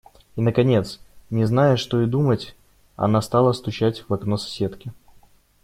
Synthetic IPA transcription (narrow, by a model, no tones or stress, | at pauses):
inəkɐnʲet̪snʲɪznajəʂt̪o̞ɪd̪umətʲ | ɐ̰nast̪alˠəst̪ʊt͡ɕætʲvɐknosɐ̥sʲe̞t̪kʲɪ